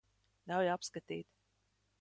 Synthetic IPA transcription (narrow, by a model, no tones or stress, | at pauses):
nawjapskat̪ḭːt̪